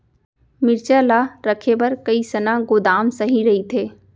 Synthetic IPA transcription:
mɪɾt͡ʃalaɾəkʰebɐɾkəisənãɡoːd̪aːmsɐɦĩɾɐɦit̪ʰeː

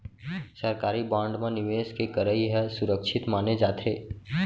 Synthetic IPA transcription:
səɾkaːɾibãːɳɖmãnɪʋeːskekɐɾəiɦɛsʊɾəkʃʰɪt̪maːned͡ʒaːt̪ʰeː

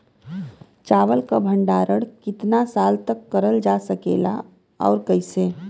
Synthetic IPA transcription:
t͡ʃaːʋəlkabʱə̃ɳɖaːɾəɽkɪt̪nasaːlt̪əkːəɾəld͡ʒasəkḛːla̰ | ɔ̰ːɾkəɪseː

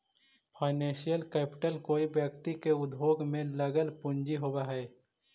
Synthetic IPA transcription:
pʰaːɪnẽːʃijəlkɛːpɪ̥ʈəlkoːibjək̚t̪ikeʊd̪ʱɦoːɡmẽləɡəlpʊɲd͡ʒiɦoːwaɦɛː

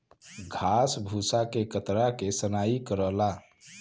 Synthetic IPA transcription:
ɡʱasbʱusakekət̪ɾakesənaikəɾəɦla

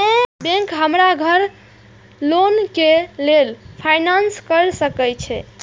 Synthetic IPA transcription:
ẽbẽŋkɦəmɾaɡʱəɾ | lonkelelpʰajnanskəɾsəkɛjt͡ʃʰɛ̰

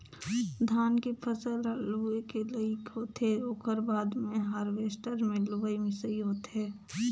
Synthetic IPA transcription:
d̪ʱaːnkepʰəsəlluekeləiɪkɦoːt̪eɾoːkəɾbaːd̪mẽɦaːɾʋeːsʈəɾmẽluəimɪ̃səiɦoːt̪ɦeː

